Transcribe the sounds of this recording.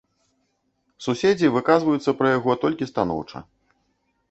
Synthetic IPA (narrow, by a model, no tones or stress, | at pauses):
susʲed͡zʲivɨkazvɐjut̪sːɐpɾɐjaɣɔt̪ɔlʲkʲist̪anɔ̰wt͡ʂɐ̰